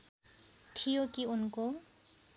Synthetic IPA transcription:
t̪ʰijokiunko

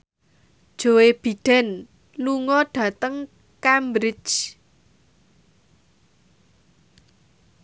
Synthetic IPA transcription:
d̥ʒ̥o̤web̥i̤ɖ̥ɛ̤n | luŋɔɖ̥a̤t̪əŋ | kambɾɪ̥t͡ʃ

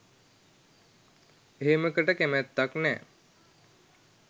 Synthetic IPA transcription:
eɦeməkəʈəkemæt̪ːaknɛ̰ː

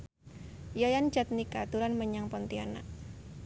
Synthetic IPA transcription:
jajand͡ʒat̪̚nikat̪uɾanməɲaŋpɔnt̪iana̰ʔ

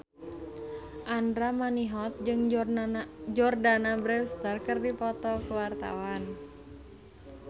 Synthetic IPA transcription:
ʔandɾamaniɦɔt̪̚d͡ʒɨŋ | d͡ʒɔrdanabɾɛfst̪ərkərdipɔt̪ɔkuwart̪a̰wan

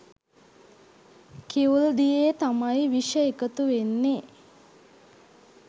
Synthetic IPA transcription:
kiuld̪ijet̪amajʋiʃəekət̪uʋenːe

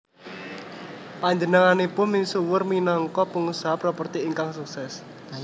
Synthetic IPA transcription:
paɲd͡ʒənəŋanepʊnminsuwərminɔŋkɔpəŋusaapɾɔpərt̪iiŋkaŋsuksɛs

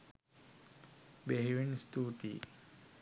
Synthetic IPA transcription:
beɦeʋinst̪uːʈ̪ḭː

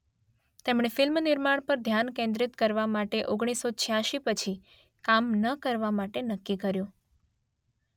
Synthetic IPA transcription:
t̪emɳ̃efɪlmnɪɾmaɳ̃pəɾd̪ʱjankẽnd̪ɾit̪kəɾʋamaʈeʔoɡɽ̃isːot͡ʃʰjaʃipət͡ʃʰi | kamnəkəɾʋamaʈenəkːikəɾjũ

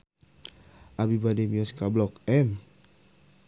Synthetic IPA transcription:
ʔabibadɛmiɔskablɔkɛm

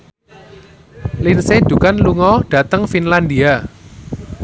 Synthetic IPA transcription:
linsed̪̥ṳkanluŋɔɖ̥a̤t̪əŋfinland̪ia

